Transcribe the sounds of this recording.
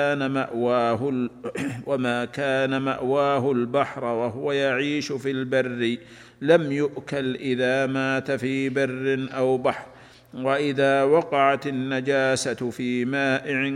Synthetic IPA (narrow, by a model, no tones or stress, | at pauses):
aːnama̰ʔwaːɦʊ | wamaːkaːnama̰ʔwaːɦʊlbaħɾˤwaɦʊwajaʕiːʃʊfilbarːɪ | lamjʊʔkalʔɪðaːmaːt̪afiːbɪrːɪnʔawbaħɾ | waʔɪðaːwɑqɑʕat̪ɪnːad͡ʒaːsafiːmaːʔɪʕɪ